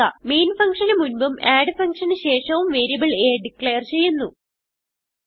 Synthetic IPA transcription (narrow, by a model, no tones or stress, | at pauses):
ɐ̰meːnfɐŋkʂɐnɨmunbɨmaːɖɨfɐŋkʂɐnɨɕe̞ːʂɐʋumʋeːɾjibɐɭeːɖikːɭejɐrt͡ɕe̞jːunːu